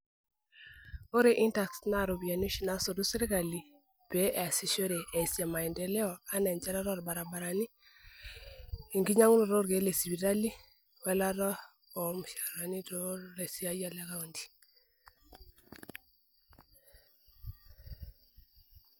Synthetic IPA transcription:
o˦ɾe˨ʔi˦nta˨ksna˦˨ɾo˨bi˨a˨ni˦ʃna˨so˨du˦se˦ɾe˦ka˨li˨ | be˨˦ʔa˨si˦ʃo˦ɾe˨ʔe˨sja˨ma˨i˨ndɛ˨lɛ˦ɔ˨a˦na˨ɲd͡ʒa˦ɾa˦ɾɔ˦ɾba˨ɾa˨ba˨ɾa˨ni˦ | i˨ŋɡi˦ɲa˦ŋu˦no˨ɾo˦ɾɡe˨˦le˨si˨bi˨ɾa˦li˦ | wɛ˦la˦ɾɔ˦ | ɔ˨m˨ʃa˨ɾɾa˨ni˦ɾo˦ɾe˨si˦a˦ja˨la˦ɣa˦o˨ndi̥˨

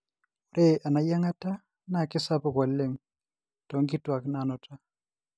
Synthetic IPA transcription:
ɔ˨ɾʔe˦ʔa˨na˨ja˦ŋa˦ta˦ | na˨kɪ˦sa˦pɔ˨kwa˨le˦ŋ | tɔ˨˦ŋkɪ˦twa˨kna˨nɔ˨tʰa˦

